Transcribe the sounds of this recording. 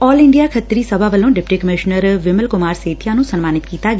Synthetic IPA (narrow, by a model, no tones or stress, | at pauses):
ɔːlɪɳɖijakʰət̪ɾisəbʱaʋəlõɖɪpʈikəmɪʃnəɾʋɪməlkʊmaːɾseːt̪ʰjanũːsənmaːnɪt̪kiːt̪aɡ